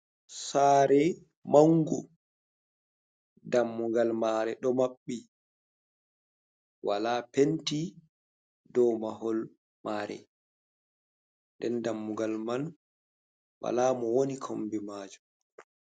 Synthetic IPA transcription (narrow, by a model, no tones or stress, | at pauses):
saːɾɛ | maŋɡu | damːuɡalmaːɾɛɗɔmaɓːi | walaːpenti | dɔmaɦɔl | maːɾɛ̰ | ndɛndamːuɡalman | wa̰laːmɔwonikʰo̰mbimaːd͡ʒu